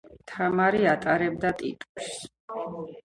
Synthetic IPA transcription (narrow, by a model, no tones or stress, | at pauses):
t̪ʰamaɾiat̪ʼaɾɛbd̪at̪ʼḭt̪ʼus